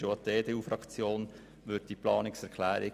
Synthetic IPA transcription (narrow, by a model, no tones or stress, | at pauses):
oɑdeːd̪eːuːfɾɑkt͡sjoːn | ʋøt̚d̥iplɑːnɪksɛɾkʰlæːɾɪ